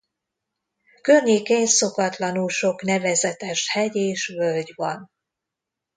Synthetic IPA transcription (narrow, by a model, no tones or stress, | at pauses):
kørɲeːkeɲso̞kɒt̪lɒnulʃo̞kn̪ɛvɛzɛt̪ɛʃhɛɟeːʃvølɟvɒn